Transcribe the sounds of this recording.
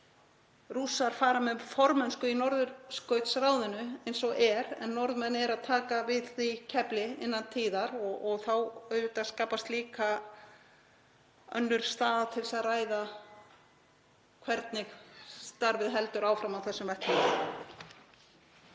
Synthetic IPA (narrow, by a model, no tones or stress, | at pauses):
rusaɾ̥faːɾamɛfɔɾmɛnskʏinɔɾðʏɾskœɥt̪sraːwðɪnʏejnsɔɣʔɛɾɛ̰nːɔɾðmɛðnːɪɛɾaðt̪ʰaːkavɪðθicʰɛplɪɪ̰nːant̪ʰiːðaɾɔɔɣθawœɥʏt̪askaːpast̪liːka | œ̰nːʏɾ̥st̪aːðat̪ʰɪlsaðraːjða | kʰvɛɾt̪̚nɪxst̪aɾvɪðɦɛlt̪ʏɾaːwfɾamawθɛsːʏmvɛht̪ɪ